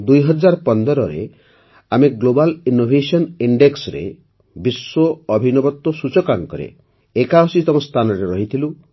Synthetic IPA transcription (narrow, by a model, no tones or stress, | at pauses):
d̪ujɦɔd͡ʒaɾɔpɔnd̪ɔɾɔɾḛ | ameɡlobalinːobʱesɔniɳɖeksɔɾḛ | biswɔɔbʱinɔbɔt̪wɔsut͡ʃɔkaŋkɔɾḛ | ekaɔsit̪ɔmɔst̪ʰanɔɾeɾɔɦit̪ʰilu